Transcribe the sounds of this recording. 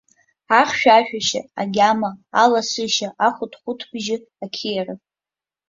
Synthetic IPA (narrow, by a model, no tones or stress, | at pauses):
aχʲʃᶣaʃᶣaʃa̰a̰ɡʲamaalasɨʃaʔaχʷʊtʰχʷʊtʰbʒɪ | akʲʰijrɨ